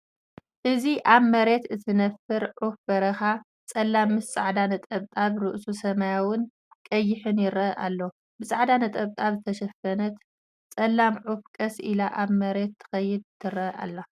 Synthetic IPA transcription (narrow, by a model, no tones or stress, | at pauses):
ʔɨziʔaβmɐɾe̞t̪ɨt̪ʰɨnɐfɨɾʕufbɐɾɐxa | t͡sʼɐlːamːɨst͡sʼaʕd̪anɐt̪ʼɐβt̪ʼaβɾɨʔsusɐmajawʊn | kʼɐjːɪħɨnjɪɾɐʔalːo | bɨsʼaʕd̪anɐt̪ʼɐβt̪ʼaβzɨt̪ʰɐʃɐfɐnɐt̪ | t͡sʼɐlːamʕufkʼɐsḭlaʔaβmɐɾe̞t̪ʰːɨ̥xɐjːɪd̪t̪ʰːɨɾɐʔa̰lːa